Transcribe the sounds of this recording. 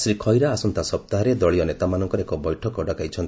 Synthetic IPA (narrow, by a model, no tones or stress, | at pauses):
sɾikʰɔjɾaːsɔnt̪asɔp̚t̪aɦɔɾed̪ɔɭijɔnet̪amanɔŋkɔɾekɔbɔjʈʰɔkɔɖakajt͡ʃʰɔnt̪